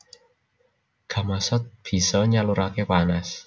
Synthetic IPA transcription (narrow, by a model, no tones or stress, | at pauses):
ɡ̥a̤masɔt̪̚b̥i̤sɔɲaluɾakepanas